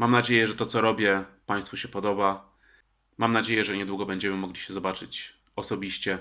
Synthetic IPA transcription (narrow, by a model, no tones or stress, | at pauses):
mamnad͡ʑejɛʐɛt̪ɔt̪sɔɾɔbʲjɛpaj̃st̪fuɕɛpɔd̪ɔba | mamnad͡ʑejɛʐɛɲɛd̪wuɡɔbɛɲd͡ʑɛmɘmɔɡlʲiɕɛzɔbat͡ʂɘt͡ɕ | ɔsɔbʲiɕt͡ɕɛ